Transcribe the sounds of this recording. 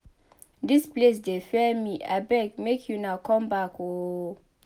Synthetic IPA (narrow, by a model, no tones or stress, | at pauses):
disples̬defɛmiʔa̰bɛk̚mekʰjunawkʰɔ̃mbako